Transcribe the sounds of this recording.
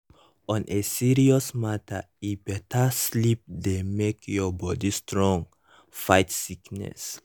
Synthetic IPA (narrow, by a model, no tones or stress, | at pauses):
ɔ̃nʔesiɹiɔsmatʰa | ibɛtaslip̚demekjɔbɔdistɹɔ̃ŋ | fajtsiknɛ̰s